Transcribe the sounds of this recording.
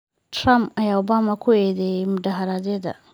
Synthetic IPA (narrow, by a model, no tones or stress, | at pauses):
tɾampɐjawbamɐkʰuedemdaɦaɾadedɐ̰